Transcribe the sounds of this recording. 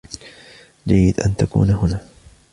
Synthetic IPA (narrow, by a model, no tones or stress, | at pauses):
d͡ʒajːɪd̪ʔa̰nt̪akṵːnaɦʊnaː